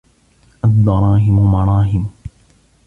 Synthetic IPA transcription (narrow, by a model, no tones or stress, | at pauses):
ʔad̪ːɑɾˤɑːɦɪmmɑɾˤɑːɦɪm